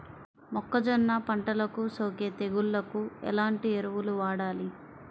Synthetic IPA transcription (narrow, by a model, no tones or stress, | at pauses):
mɔkːɐd͡ʒɔnːapɐɳʈɐlɐkusɐwket̪eɡuɭːɐkuɛ̰laːɳʈieɾuʋuluʋaːɽaːli